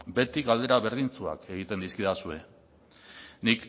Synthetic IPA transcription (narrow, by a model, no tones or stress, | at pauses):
be̞t̪ikald̪e̞ɾaβe̞ɾð̞int͡sua̰ke̞ɣit̪e̞nd̪iskiðasue̞ | nik